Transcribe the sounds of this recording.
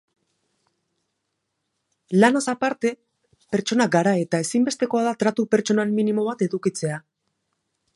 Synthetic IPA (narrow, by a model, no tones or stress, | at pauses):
lanasapaɾt̪e̞ | pe̞ɾt͡ʃo̞naɡaɾae̞t̪ae̞simbe̞st̪e̞ko̞aðat̪ɾat̪upe̞ɾt͡ʃo̞namːinimo̞βat̪e̞ðukit͡se̞a